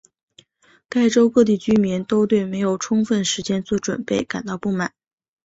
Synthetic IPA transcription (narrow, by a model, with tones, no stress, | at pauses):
ka˥˩ɪʈ͡ʂo˥ʊkɤ˥˧t̪̬i˥˩t͡ɕy˥mi˧˥nt̪o˥ʊt̪we˥˩ɪme˧˥ɪjo˨˩ʊʈ͡ʂʰʊ˥ŋfə˥˩nʂɻ̩˧˥t͡ɕjɛ˥nt͡swɔ˥˩ʈ͡ʂwə̰˨˩npe˥˩ɪka̰˨˩nt̪ɑ˥˧ʊpu˥˩ma˨˩˦n